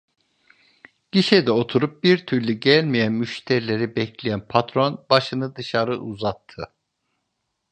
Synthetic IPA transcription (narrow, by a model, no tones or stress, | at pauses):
ɟ̥iʃed̪ɛo̞t̪ʰuɾup̚biɾt̪ʰyɾlʲyɟælʲmijænmyʃt̪ʰɛɾilʲeɾibɛclʲijænpʰat̪ɾo̞nbaʃɯnɯd̪ɯʃaɾɯʔuzat̪ʰːɯ